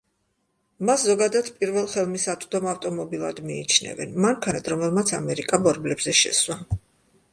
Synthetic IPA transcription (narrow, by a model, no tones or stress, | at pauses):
maszɔɡad̪at̪ʰpʼiɾvɛlˠχɛlˠmisat̪sʼd̪ɔmaft̪ʼɔmɔbilˠa̰d̪miːt͡ʃʰnɛ̰vɛ̰nmaŋkʰanat̪ʰɾɔmɛlˠmat̪sʰa̰mɛɾikʼabɔɾblɛbz̥ɛʃɛ̰swa